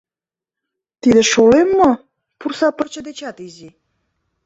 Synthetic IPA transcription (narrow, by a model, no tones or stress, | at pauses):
t̪id̪ə̆ʃolemːo | pursɑpərt͡ɕə̆d̪et͡ɕɑt̪izi